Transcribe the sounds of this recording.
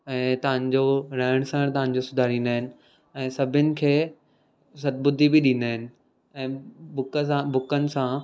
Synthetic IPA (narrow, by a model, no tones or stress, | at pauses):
ɛ̃ːt̪ɐʋ̤ãɲ̆d͡ʑoɾɐːɪɽ̃səɽ̃t̪ɐʋ̤ãɲ̆d͡ʑosʊd̪ʱaːɾĩːnd̪aːɦɪnɪ̆ | ɛ̃ːsɐbʱɪnɪ̆kʰeː | sɐt̪̚bʊd̪ʱibɪɗĩːnd̪aːɦɪnɪ̆ | ɛ̃ːbʊkãbʊkənɪ̆sã